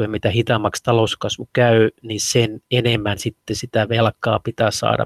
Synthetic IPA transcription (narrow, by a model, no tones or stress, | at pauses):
emit̪æhit̪ɑmːɑkst̪ɑlouskɑsʋukæynisenenemːænsit̪ːesit̪æʋelkˑɑ̰ːpit̪æːsɑ̰ːdɑ̰